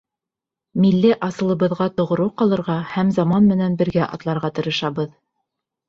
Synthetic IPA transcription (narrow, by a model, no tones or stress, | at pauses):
milːɘʔɑsɤ̆lˠɤ̆βɤ̆ðʁɑt̪ŏʁŏɾɤqɑlˠɤ̆ɾʁɑhæmzɑmɑnmɘ̆nænbɘ̆ɾɡæʔɑ̰t̪lˠɑɾʁɑt̪ɤ̆ɾɤ̆ʃɑβɤð